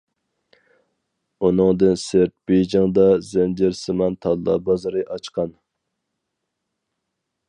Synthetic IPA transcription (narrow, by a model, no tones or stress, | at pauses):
unɨŋd̪ɨnseɾt̪̚b̥ed͡ʒɪŋd̪ɑzɛnd͡ʒɪɾsɨmɑnt̪ʰɑd̪lːˠɑ̰bɑzɑɾɨʔɑt͡ʃqʰɑn